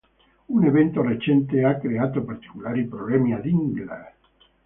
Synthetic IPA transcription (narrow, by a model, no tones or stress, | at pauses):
uneβent̪oret͡ʃent̪eakɾeat̪opaɾt̪i̥kulaɾipɾoβemjaðiŋɡla̰